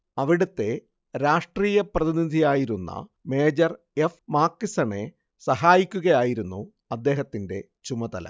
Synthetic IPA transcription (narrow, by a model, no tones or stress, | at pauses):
ɐʋiɽut̪ːe̞ | ɾaːʂʈriːjɐprɐðinid̪ʱijaːjiɾunːɐ̰me̞ːd͡ʑɐr | efmaːkːisɐɳe̞ | sɐɦaːjikʲːuɣɐjaːjiɾunːu | ɐd̪ːe̞ːɦɐt̪ːinde̞ | t͡ɕumɐt̪ɐlɐ̰